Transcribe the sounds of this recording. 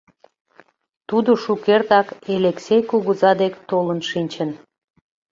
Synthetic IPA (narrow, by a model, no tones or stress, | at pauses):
t̪ud̪oʃukert̪ɑkeleksʲejkuɣuzɑd̪ekt̪olənʃinʲt͡ɕən